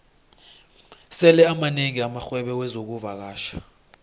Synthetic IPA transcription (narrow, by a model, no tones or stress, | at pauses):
sɛlɛamaneŋiamaxwɛɓɛwɛzok̬uvak̬aːʃa